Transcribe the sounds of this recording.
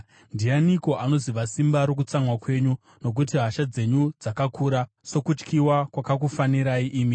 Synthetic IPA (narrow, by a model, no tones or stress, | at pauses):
ndijaniko̞ʔano̞ziʋasimbaɾok̬ut͡samwakwe̞ɲu | no̞k̬ut̬iɦaʃad͡ze̞ɲud͡zakakuːɾa | so̞kut͡ʃkiwakwakak̬ufaniɾaiʔiːmi